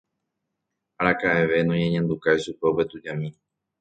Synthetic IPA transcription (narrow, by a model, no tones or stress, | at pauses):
aɾakaʔeʋe̞nõɲẽɲãnd̪ukaiʃupe̞upe̞t̪ud͡ʒãmĩ